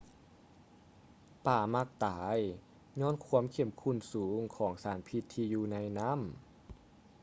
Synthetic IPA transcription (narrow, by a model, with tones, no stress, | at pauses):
paː˨˩ma˧˩k̚t̪aː˩˦j | ɲɔː˧˥˨nkʰu˧˥ə˨mkʰe˧˩˦mkʰu˧˥˨nsuː˩˦ŋkʰɔː˩˦ŋsaː˩˦npʰi˧t̪ʰːiː˧juː˧na˧˨jna˦˥˨m